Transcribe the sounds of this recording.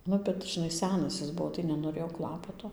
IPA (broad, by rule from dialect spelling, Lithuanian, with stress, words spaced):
ˈnʊ bʲɛt ʒʲɪˈnɐɪ ˈsʲæːnɐs ɪs ˈbuɔ tɐɪ nʲɛnoːˈrʲeːjoː ˈklˠɑːpɐtoː